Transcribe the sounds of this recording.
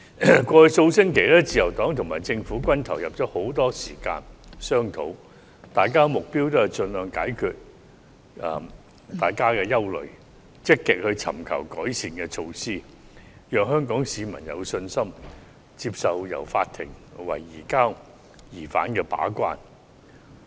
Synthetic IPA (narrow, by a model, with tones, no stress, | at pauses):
kʷɔː˧hɵ˧jso˧wsɪ˥ŋkʰe˨˩jlɛː˥t͡siː˧jɐ˨˩wt̪ɔː˨˥ŋt̪ʰʊ˨˩ŋmaː˨jt͡sɪ˧ŋfuː˨˥kʷɐ˥nt̪ʰɐ˨˩wjɐ˨p̚t͡sɔː˨˥ho˨˥wt̪ɔː˥siː˨˩ka̰ː˧nsœː˥ŋt̪ʰo̰˨˥w | t̪aː˨jkaː˥mʊ˨k̚piː˥wt̪o˥hɐ˨˩jt͡sɵ˧nlœː˨˧ŋkaː˨˥jkʰyː˧t̚ | ɐː˨ | t̪aː˨˩jkaː˥kɛː˧jɐ˥wlɵ̰˨ɥ | t͡sɪ˥kːɪ˨k̚hɵ˧ɥt͡sʰɐ̰˨˩mkʰɐ̰˨˩wkɔː˨˥jsiː˨nkɛː˧t͡ʃʰo˧wsiː˥ | jœː˨ŋɦœː˥ŋkɔː˨˥ŋsiː˨˧mɐ˨˩njɐ̰˨˧wsɵ˧nsɐ˥m | t͡si˧p̚sɐ˨wjɐ̰˨˩wfa̰ː˧t̪ʰɪ˨˩ŋwɐ̰˨˩jːiː˨˩kaː˥w | jiː˨˩fa̰ː˨˥nkɛː˧pa̰ː˨˥kʷa̰ː˥n